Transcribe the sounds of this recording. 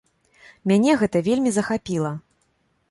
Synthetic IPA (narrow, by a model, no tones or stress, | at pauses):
mʲanʲɛɣɛt̪ɐvʲelʲmʲizɐxapʲilˠɐ